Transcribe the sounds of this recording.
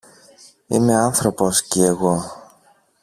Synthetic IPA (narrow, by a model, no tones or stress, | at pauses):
ime̞ɐnθɾo̞po̞sciːɣo̞